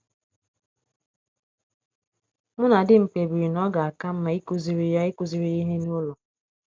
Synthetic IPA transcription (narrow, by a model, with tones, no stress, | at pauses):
mʊ˦na˨dɪ˦ŋ͡m̩˨k͡pe˨bi˨ɾi˨nɔ˦ɡa˨a˨ka˦m̩˦ma˦i˦ku˨zi˨ɾi˦ja˦i˦ku˨zi˨ɾi˦i˦ɦe˦nʊ˦lʊ˨